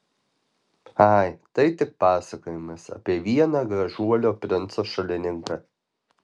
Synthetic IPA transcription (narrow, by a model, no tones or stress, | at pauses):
ɑɪt̪ɐɪt̪ʲɪk̚pɑːsɐkoːjɪmɐsɐ̰pʲiɛʋʲiɛnɑːɡɾɐʒuɔlʲoːpʲɾʲɪnˑt̪soːʃɐlʲɪnʲɪŋkɐ